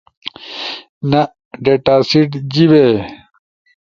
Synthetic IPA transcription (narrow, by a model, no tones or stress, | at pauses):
nɐ | ɖeʈaːsiʈd͡ʑibe